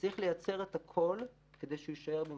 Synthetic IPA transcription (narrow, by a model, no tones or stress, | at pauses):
ʁiχle̞jat͡se̞ʁet̪hakʰo̞l | ke̞d̪e̞jʃejiʃae̞ʁbe